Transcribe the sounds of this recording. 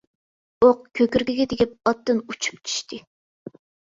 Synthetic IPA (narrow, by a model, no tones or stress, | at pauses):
oq̚kʲʰøkʲyɾɡʲiɡʲɛd̪ɪkʲɛp̚ɑt̪ːɨnut͡ʃʰu̥p̚t͡ʃʰy̥ʃt̪ʰɨ